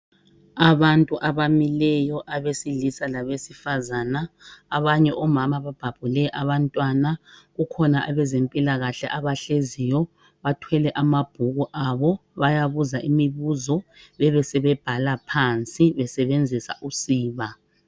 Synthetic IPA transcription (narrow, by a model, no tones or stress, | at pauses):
aβantʼuʔaβamilɛjɔʔaβesilisalaβesifazanaːβaɲɛʔɔmamaβab̥ʱab̥ʱulɛʔaβantʼwanaɣukʰɔnaʔaβɛzempʼilaɣaɬɛʔaβaɬezijɔ | βatʰwɛlɛʔamab̥ʱuɣuʔaβɔβajaβuzaʔimiβuzɔβɛβɛsɛβɛb̥ʱalapʰant͡sʼiβɛsɛβend͡zʱisa̰ʔusiːβa